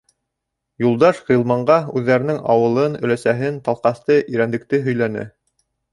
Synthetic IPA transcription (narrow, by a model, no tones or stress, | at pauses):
julˠd̪ɑʃʁilˠmɑɴɢɑʉðːæɾɘ̆nɘŋʔɑwɤ̆lˠɤnɵ̆læsæɦɘnt̪ɑlˠqɑst̪ɤʔiɾænd̪ɘ̆k̚t̪ɘɦɵ̆jlænɘ̰